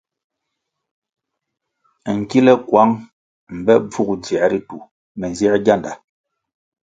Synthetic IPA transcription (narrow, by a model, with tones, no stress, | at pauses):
ŋ̩˨ki˦lɛ˦kwa˨˦ŋ | m̩˨bɛ˦b͡vu˦kd͡zja˨ɾi˦tu˨ | mɛ˨n˨zɛ˦ɡja˦˨nda˨